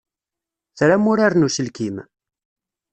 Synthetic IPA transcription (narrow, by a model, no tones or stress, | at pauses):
θɾamuɾaɾnusəlkim